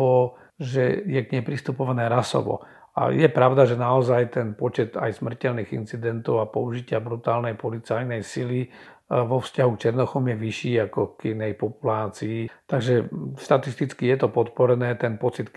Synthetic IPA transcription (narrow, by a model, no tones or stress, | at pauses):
ɔ | ʒɛjɛɡɲɛjpɾist̪upɔʋanɛːɾasɔ̰ʋɔ̰ | a̰jɛpɾaʊd̪aʒɛnaɔzajt̪ɛnpɔt͡ʃɛt̪a̰jsmr̩cɛlniːɣḭnt͡sid̪ɛnt̪ɔʊapɔuʒicɪabɾut̪aːlnɛjpɔlit͡sajnɛjsili | ʋɔfscaɦukt͡ʃɛɾnɔxɔmjɛʋiʃiːakɔkinɛjpɔpulaːt͡siːt̪aɡʒɛʃt̪at̪ist̪it͡skijɛt̪ɔpɔt̪pɔɾɛnɛːt̪ɛnpɔt͡sit̪